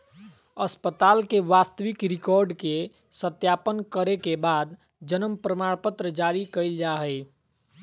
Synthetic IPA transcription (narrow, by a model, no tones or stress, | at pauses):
əspət̪aːlkeʋast̪əʋɪkɾɪkɔːɾɖke | sət̪jaːpənkəɾekebaːd̪ | d͡ʒənəmpɾəmaɽpət̪ɾəd͡ʒaɾikəɪld͡ʒaɦəɪ